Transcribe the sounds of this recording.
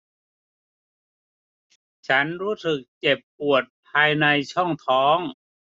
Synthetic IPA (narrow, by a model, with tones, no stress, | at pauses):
t͡ɕʰa˦˥nɾuː˦˥sɯ˨˩k̚t͡ɕe˨˩pːu˨˩ət̪̚pʰaː˧jna˧jt͡ɕʰɔ˥˩ŋt̪ʰɔː˦˥ŋ